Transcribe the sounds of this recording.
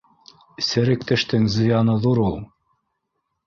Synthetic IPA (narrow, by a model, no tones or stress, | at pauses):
sɘ̆ɾɘ̆k̚t̪ɘ̆ʃt̪ɘŋzɤ̆jɑnɤðuɾulˠ